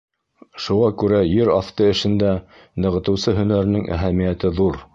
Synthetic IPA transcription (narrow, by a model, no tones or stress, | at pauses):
ʃuʁɑkʉɾæjɘɾɑft̪ɤɘ̆ʃɘ̆nd̪æ | nɤ̆ʁɤ̆t̪ɤ̆wsɤɦɵ̆næɾɘ̆nɘŋʔæ̰ɦæmijæt̪ɘðuɾ